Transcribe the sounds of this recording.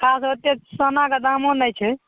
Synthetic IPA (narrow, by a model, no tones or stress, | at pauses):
kʰasət̪jesənaked̪amonəjt͡ʃʰɛ